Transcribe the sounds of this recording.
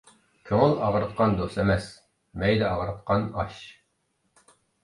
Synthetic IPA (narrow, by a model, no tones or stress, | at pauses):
kʲʰøŋɪlˠɑʁɾɨt̪̚qʰɑnd̪osɛmɛs | mɛjd̪ɛɑʁɾɨt̪qɑnɑʃ